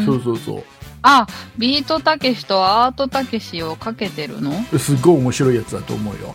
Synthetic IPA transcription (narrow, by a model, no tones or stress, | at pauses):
soːsoːso̰ː | abʲiːt̪o̞t̪ake̞ɕi̥t̪o̞aːt̪o̞t̪ake̞ɕio̞kake̞t̪e̞ɾɯ̟̰no̞sɨɡːo̞iomo̞ɕiɾo̞ijat͡sɨd̪at̪o̞̰ːmo̞ɯ̟jo̰